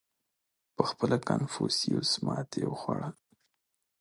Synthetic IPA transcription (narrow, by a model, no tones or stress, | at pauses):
pəxpəlakanfusiosmɑt̪ewxwaɽal